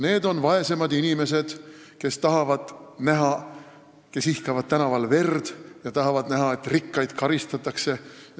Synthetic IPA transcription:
ne̞ːd̪o̞nvɑe̞se̞mɑd̪inime̞s̬e̞d̪̥ | ke̞st̪ɑɦɑvɑd̪̥næɦɑ | ke̞sihkɑvɑd̪̥̚t̪ænɑvɑlve̞rd̪̥jɑt̪ɑɦɑvɑd̪næɦɑe̞t̪rikːɑjd̪̥kɑɾist̪ɑt̪ːˑɑkse̞

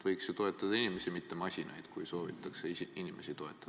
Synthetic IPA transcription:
vɤjksjet̪o̞e̞t̪ˑːɑd̪̥ɑinime̞simit̪ːe̞mɑsʲinʔɑ̰jd̪̥kujso̞ːvḭt̪ːˑɑkseinimʔe̞sit̪o̞e̞t̪ˑːɑ̥

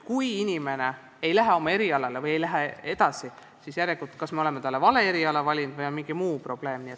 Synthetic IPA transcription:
kujinʲime̞ne̞ | e̞jlæɦeo̞mɑe̞ɾiɑlɑlevɤje̞jlæɦee̞d̪̥ɑsi | sisjæɾjekut̪ːkɑsme̞ole̞met̪ɑlːe̞vɑle̞eɾiɑlɑvɑlʲind̪̥vɯjɑmiŋɡ̥imuːpro̞b̥le̞ːmniet̪ː

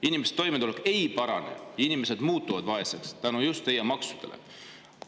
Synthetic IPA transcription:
inʲimese̥t̪ːo̞jmet̪uleke̞jpɑɾɑ̰ne̞̰jinime̞sed̪muːt̪ːˑuvɑd̪vɑe̞sekst̪ænujust̪ːejɑmɑksud̪̥e̞lʔḛ

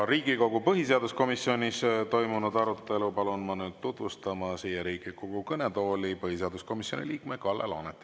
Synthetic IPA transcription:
ɾiːɡ̥iko̞ɡupɤɦise̞ɑd̪usko̞misːio̞nʲist̪o̞jmunud̪ɑɾut̪ːˑe̞lupɑlunmɑnyːd̪̚t̪ut̪vust̪ɑmɑsiːjeɾiːɡ̥iko̞ɡ̥ukɤnet̪o̞ːlipɤhise̞ɑd̪usko̞misio̞̰nʲḭliːkmekɑlːḛlo̰net̪ːˑi

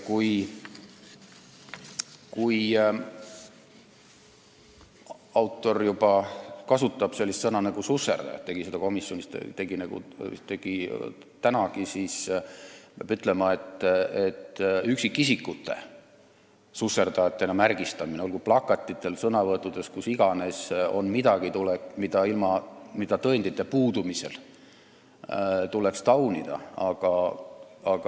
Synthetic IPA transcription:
kuj | kuj | ɑwt̪ːˑo̞rjubɑkɑsut̪ːˑɑb̥se̞lʲːist̪sɤnɑnɑɡususːḛrd̪ɑ̰jɑ̰t̪ːe̞ɡ̥ise̞d̪ɑko̞misjonʲist̪t̪e̞ɡinɑɡ̥ṵt̪e̞ɡ̥i | t̪ænɑkisiːs | pɑb̥yt̪ːˑle̞mɑe̞t̪ːˑe̞t̪ːyksikːisikːˑut̪ːˑe̞̰ | susːe̞rd̪̥ɑjɑt̪ːenɑmærɡist̪ɑmineolkuplɑkːˑɑt̪ʲːˑit̪ːˑe̞lsɤnɑvɤet̪ːˑud̪̥e̞skusiɡ̥ɑne̞so̞̰nmid̪ɑɡ̥it̪ulekmid̪̥ɑilmɑmid̪̥ɑt̪ɤend̪it̪ːˑepuːd̪umise̞l | t̪ule̞kst̪ɑwnid̪̥ɑ̰ɑɡ̥ɑ | ɑɡ̥ɑ

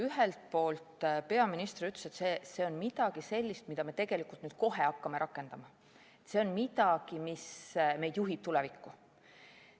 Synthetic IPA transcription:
yɦelt̪̚po̞ːlt̪pe̞ɑminist̪ryt̪lese̞t̪seːse̞ːo̞nmid̪̥ɑɡ̥ise̞lʲːist̪mid̪̥ɑme̞t̪e̞ɡ̥e̞likˑult̪nyːd̪̥̚ko̞ɦe̞ɑkːɑme̞ɾʔɑkːˑe̞nd̪ɑmɑ | et̪se̞onmid̪ɑɡ̥imisme̞jd̪̥juɦib̥̚t̪ulevikːu

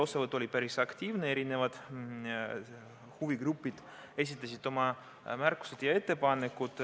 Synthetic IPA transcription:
o̞sevɤt̪ːˑo̞lʲipæɾisɑkt̪ʲiːvnee̞ɾine̞vɑd̪̥ | huviɡ̥rupːˑid̪̥ | e̞s̬ʲit̪ˑːɑsʲid̪̥o̞mɑ | mærkːˑu̥se̞d̪̥jɑe̞t̪ːe̞pɑnekːud̪̥

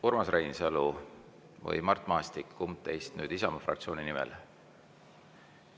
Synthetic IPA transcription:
urmɑsrejnselu | vɤ̰jmɑrt̪ːˑmɑːst̪ikːumt̪ːe̞jst̪nyːd̪̥isɑmɑfrɑkt̪sio̞ːninimɛ̰l

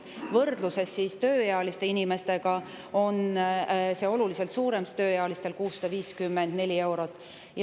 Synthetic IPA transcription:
vɤrd̪luse̞sːist̪ø̞ːjɑɑlist̪e̞inime̞st̪e̞ɡ̥ɑ | o̞n | se̞o̞lulise̞lt̪suːɾe̞mst̪ø̞ːjeɑlist̪e̞lkuːsːɑ̥d̪̥ɑviːskymːend̪̥ne̞lʲie̞wɾot̪ːˑ | j

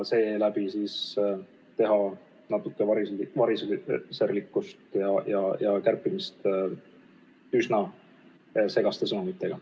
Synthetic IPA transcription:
se̞ːlæbisiːs | t̪e̞ɦɑ | nɑt̪ːˑukːˑevɑɾivɑɾisserlikːust̪jɑjɑjɑkærpːˑimist̪ | ysnɑ | se̞ɡ̥ɑst̪esɤnumit̪ːˑe̞ɡ̥ɑ

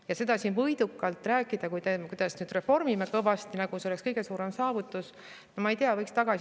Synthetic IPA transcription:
jɑse̞d̪̥ɑsiːnvɤjd̪ukːˑɑlt̪ˑræːkːˑid̪̥ɑkujd̪ekujd̪̥ɑsnyːd̪̥re̞fo̞rmimekɤvɑst̪inɑɡ̥useolekskɤjɡ̥e̞suːɾe̞msɑːvut̪ːˑus | nomɑejt̪eɑvɤjkst̪ɑɡ̥ɑs

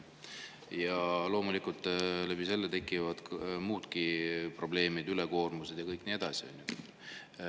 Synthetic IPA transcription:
jɑlo̞ːmulikult̪ːˑlæbise̞lːet̪e̞kːˑivɑd̪̥muːt̪kipro̞ble̞ːmid̪̥yleko̞ːrmuse̞d̪̥jɑkɤjkniːed̪̥ɑsio̰nʲju

